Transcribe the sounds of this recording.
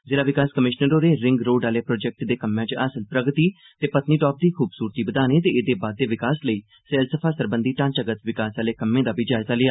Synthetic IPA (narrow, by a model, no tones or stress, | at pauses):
zɪːlaːʋɪkaːskəmɪʃnəɾoːɾeːɾɪŋɡɾoːɖaːleːpɾɔːd͡ʒɛk̚ʈd̪eːkəmːãːt͡ʃəːsəlpɾəɡt̪iː | t̪eːpət̪niːʈɔːp̚d̪iːkʰuːbsuːɾt̪iːbəd̪aːniːt̪eːɪːd̪eːbaːd̪̚ːeːʋɪkaːsləiː | sɛːlsəpʰaːsəɾbə̃nd̪iːʈãːt͡ʃəɡət̪ʋɪkaːsaːleːkəmːẽːd̪aːʋɪd͡ʒaːzaːlɪjaː